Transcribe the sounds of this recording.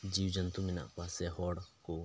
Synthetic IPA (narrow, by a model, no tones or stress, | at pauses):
d͡ʒiːwd͡ʒənt̪umɪna̰pasɛɦɔːɽko